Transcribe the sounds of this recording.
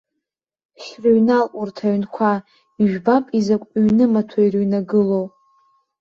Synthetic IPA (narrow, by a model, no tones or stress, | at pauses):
ʃʲrɨɥnalʔurtʰaɥnkʷʰa | iʒᶣbapʼizakʷʼɥnɨmatʰairnaɡɨlo̞w